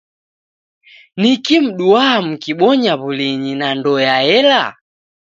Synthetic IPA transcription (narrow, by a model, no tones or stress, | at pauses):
nikim̩ɗuaam̩kiɓɔɲaβuliɲinandɔjaɛla